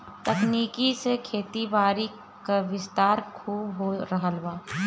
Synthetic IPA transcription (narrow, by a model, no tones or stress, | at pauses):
t̪ɐkniːkisekʰeːt̪iʋaːɾi | kaʋɪst̪aːɾkʰuːbɦoːɾəɦəlʋaː